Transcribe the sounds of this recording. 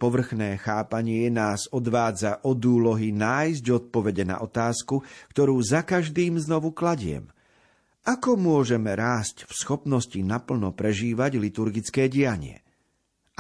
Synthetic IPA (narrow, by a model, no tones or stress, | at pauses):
pɔʋr̩xnɛːxaːpaɲɪɛnaːzɔd̪ʋaːd͡zaʔɔd̪uːlɔɦinaːjzɟɔt̪̚pɔʋɛɟɛna̰ʔɔt̪aːskukt̪ɔɾuːzakaʒd̪iːmznɔʋuklaɟɪɛ̰m | ʔakɔmʊɔʒɛmɛɾaːscfsxɔpnɔscinapl̩nɔpɾɛʒiːʋaɟlit̪uɾɡit͡skɛːɟijaɲɪɛ̰